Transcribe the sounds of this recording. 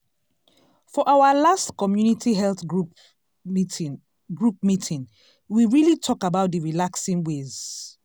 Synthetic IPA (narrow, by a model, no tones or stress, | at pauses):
fɔʔawalastkɔmjunitʰiɦɛlθɡɹu | ɡɹup̚mitʰĩn | wiɹilitʰɔkabaʊt̚dəɹilaksĩnwez̥